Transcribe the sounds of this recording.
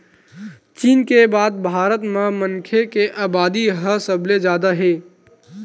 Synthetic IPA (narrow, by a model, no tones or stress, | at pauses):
t͡ʃiːnkebaːd̪̚bʱaːɾət̪mãmənkʰekeʔaːbaːd̪iɦəsəbled͡ʒaːd̪aɦeː